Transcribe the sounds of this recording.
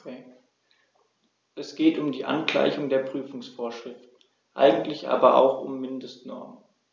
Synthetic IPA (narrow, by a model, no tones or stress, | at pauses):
ɛ | ʔɛsɡ̥eːtʊmdiːʔa̰nkl̥a̰ɪçʊŋdeːɐpʁ̥yːfʊŋsfoːɐʃʁ̥ɪftn̩ | ʔa̰ɪɡŋ̩tlɪçʔa̰ːbɐʔa̰ʊxʊmːɪndəstnɔɐmə